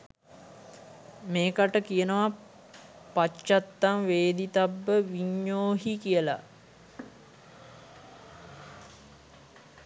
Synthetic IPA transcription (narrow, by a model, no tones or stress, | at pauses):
meːkaʈəkijənəʋa | pat͡ʃːat̪ːaŋʋeːd̪it̪abːəʋiɲːoːɦikijəla̰